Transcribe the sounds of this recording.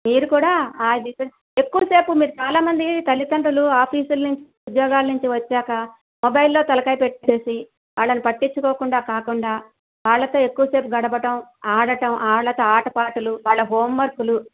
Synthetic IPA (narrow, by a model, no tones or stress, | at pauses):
miːɾukuːɽaːaːjid̪isɐ | e̞kːuʋɐse̞ːpumiːɾut͡ʃaːlaːmɐnd̪it̪ɐlːit̪ɐɳʈuluaːpʰiːsulnuɲt͡ʃi̥ud̪jɔːɡaːlnuɲt͡ʃiʋɐt͡ʃːaːkɐ | mɔbɐjlːo̞ːt̪ɐlɐkɐjpe̞ʈːit͡ʃeːsi | ʋaːɭːɐnipɐʈːiɲt͡ʃːukoːkuɳɖaːkaːkuɳɖaː | ʋaːɭːɐt̪oːe̞kːuʋɐse̞ːpuɡɐɽɐbɐʈɐmaːɽɐʈɐmʔaːɭːɐt̪o̞ːaːʈɐpaːʈuluʋaːɭːɐɦoːmʋɐɾkulu